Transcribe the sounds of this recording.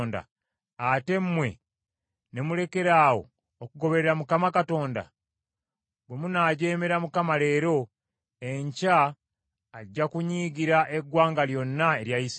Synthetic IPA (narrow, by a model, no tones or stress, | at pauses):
nda̰ | ate̞mmwe̞̰ | ne̞mule̞ke̞ɾaːwo̞̰ː | kuɡo̞βe̞ɾeɾamukamakato̞ːnda̰ | bwe̞munaːɟe̞ːme̞ɾamukamale̞ːɾo̞ | e̞ɲcaː | ɟːakuɲiːɡiɾaʔe̞ɡwaːŋɡaljo̞nːae̞ɾjajis